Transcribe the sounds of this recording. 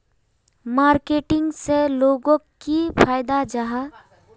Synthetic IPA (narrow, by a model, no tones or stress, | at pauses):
maːɾkeːʈɪ̃ŋɡseloːɡõkipʰaːjd̪ad͡ʒaɦa